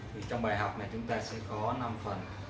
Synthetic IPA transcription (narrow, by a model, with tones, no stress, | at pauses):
t̪ʰi˨˩t͡ɕɔ˧ŋ͡mɓaː˨˩jɦa˨˩wk͡p̚na˨˩jt͡ɕʊ˨˦ŋ͡mt̪aː˧sɛ̰˧˥kɔ˨˦na˧mfə˨˩n